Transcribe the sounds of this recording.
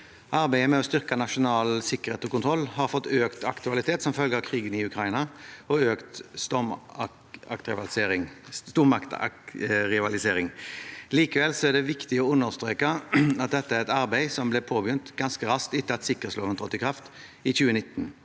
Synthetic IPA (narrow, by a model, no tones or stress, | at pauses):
ʔɑɾbæɪəmɛɔst̪ʏʁkɑnɑʂʊnɑːlsɪkːəʁheːt̪ɔkʊnt̪ʰɾɔlːhɑɾfɔt̪ːøːkt̪ɑkt̪ʉɑlɪt̪ʰeːt̪sɔmfœlɡəəkʰɾiːɡənɪʉkʰɾɑɪnɑɔøːkt̪st̪ɔm | ɑ̰kt̪ʁɪʋɑɪŋst̪uːɾmɑkt̪ɑ̰ɾɪʋɑlɪseːɾɪŋliːkəʋɛlsɔæʁɖ̪ɛʋɪkt̪ɪɔʉnːəʁst̪ɾeːkəɑt̪̚d̪ɛt̪ːəæʁɛt̪ɑɾbæɪsɔmblɛpʰoːbjʉnt̪ɡɑnskəɾɑskt̪ɪt̪ːəɑt̪sɪkːəʁɛt̪sloːʋənt̪ʰʁɔt̪ːɪkʰʁɑft̪ | ɪçʉːənɪt̪ːn̩